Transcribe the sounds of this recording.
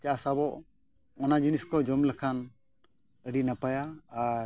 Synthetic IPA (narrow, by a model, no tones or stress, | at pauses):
t͡ʃaʔsabɔʔ | ɔnad͡ʒiniskɔd͡ʒɔmlɛkʰan | əɖinapajaːɾ